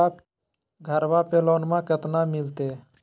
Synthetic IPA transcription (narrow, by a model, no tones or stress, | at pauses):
a | ɡʱəɾʋapeːloːnmãkət̪namɪlt̪eː